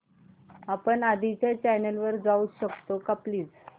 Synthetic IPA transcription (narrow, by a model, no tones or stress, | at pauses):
apəɳad̪ʱit͡ɕat͡ɕɛnəlʋəɾd͡zauːɕəkt̪okapliːd͡z